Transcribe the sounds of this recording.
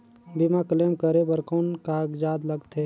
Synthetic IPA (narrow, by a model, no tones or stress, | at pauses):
bimakəleːmkəɾebəɾkoːnkaːɡd͡ʒaːd̪ləɡt̪ʰeː